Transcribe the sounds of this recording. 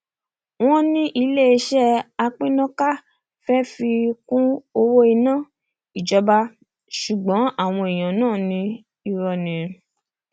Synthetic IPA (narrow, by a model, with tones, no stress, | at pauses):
w̃ɔ̃˦nĩ˦ʔi˧le˦e˧ʃɛ˦a˧k͡pĩ˦nɔ̃˦ka˦ | fɛ˦fi˧kũ˦o˧wo˦i˧nãː˦˨ | i˨d͡ʒɔ˧ba˧ | ʃu˨ɡ͡bɔ̃˨˦a˦˨w̃ɔ̃˧e˨j̃ã˨nãː˦˨nĩ˧ | i˧ɾɔ˧˨nĩ˨